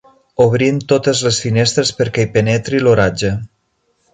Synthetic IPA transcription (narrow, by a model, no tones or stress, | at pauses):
oβ̞ɾimt̪ot̪əzlesfinest̪ɾespəɾkɛipenɛt̪ɾiloɾad͡ʒe